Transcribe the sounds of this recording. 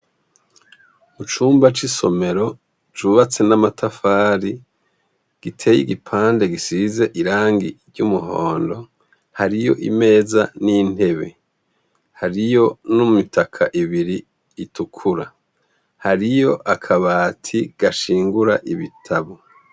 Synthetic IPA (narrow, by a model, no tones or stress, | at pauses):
ut͡ʃuːmbat͡ʃiso̞̰me̞ɾo̞ | t͡ʃuβat͡se̞namatafaːɾi | ɡ̥itʰe̞jiɡipʰaːnde̞ɡisize̞ʔiɾaːŋɡḭɾɟumuɦo̞ːndo̞ | haɾijo̞̰ʔime̞ːzanin̥he̞βe̞ | haɾijo̞nuumitʰakʰaʔiβiɾiː | tukʰuɾa | haɾijo̞ʔakʰaβatʰiɡ̥aʃiːŋɡuɾaʔiβitʰaβo